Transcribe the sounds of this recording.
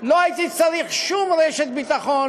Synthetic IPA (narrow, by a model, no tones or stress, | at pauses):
loait̪it͡saɾiχʃumɾeʃet̪bit̪aχon